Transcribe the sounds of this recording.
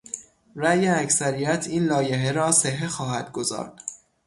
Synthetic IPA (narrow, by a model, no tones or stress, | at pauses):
ræjeæcsæɾijæt̪ʰiːnlɒːje̞ɦeɾɒːse̞ɦe̞xɒːɦæd̪̥̚ɡo̞zɒ̰ːɾd̪̥